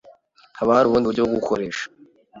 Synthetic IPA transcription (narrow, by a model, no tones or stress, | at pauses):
haβahaɾuβuːndiβuɾɟoβoɡukʰoɾe̞ːʃḁ